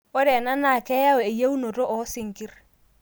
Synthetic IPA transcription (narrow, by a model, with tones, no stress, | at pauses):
o˦ɾɛ˨na˦na˦˨kɛ˦ja˦o˨e˨je˦wu˦no˨ɾo˦ʔɔ˨˦sɪ˨ŋki˦ɾ